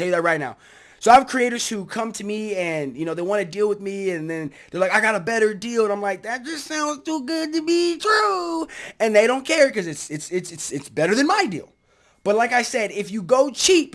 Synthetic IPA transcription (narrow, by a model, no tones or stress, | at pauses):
ɛlˠjɨðɨt̚ɹaɪtⁿna̰ʊ | soʊaɪv̥kʰɹ̥ieɪɾə˞z̥hukʰʌ̃mtʰɨmiɨ̃njɨñoʊðeɪwɑ̃ñɨdilˠwɨðmiɨ̃nðɨ̃nðə˞laɪkaɪɡɑɾəbɛɾə˞dilˠə̃ñãɪ̃mlaɪk̚ðɨt̚d͡ʒ̥ʌstsãʊ̃ndz̥tuɡʊd̚tɨbitʰɹ̥u | ɨ̃nðeɪɾõʊ̃nkʰɛɹkʌzɨtsɨtsɪtsɨtsɨtsb̥ɛɾə˞ðɨ̃nmaɪdḭlˠ | b̥ʌt̚ˡlaɪkaɪsɛɾɪfjɨɡoʊt͡ʃʰip